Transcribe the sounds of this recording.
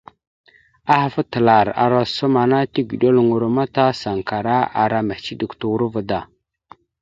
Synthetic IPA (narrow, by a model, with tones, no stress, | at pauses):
a˦ha˨fə˦tə˨la˨ɾa̰˨ɾa˦su˦ma˨na˦ti˦ɡi˨ɗo˦lŋu˨ɾma˦ta˦sa˨ŋka˨ɾa˦ʔa̰˨ɾa˦me˨t͡ʃi˦di˨ktu˨u˦ɾu˦və˦da˨